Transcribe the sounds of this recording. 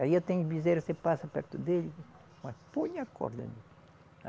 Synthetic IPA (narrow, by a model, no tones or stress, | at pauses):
aiet̪ẽɲubizeɾsepasɐpɛɾt̪ud̪eli | mɐspõɲɐkʰɔ̰ɾd̪ɐ̰li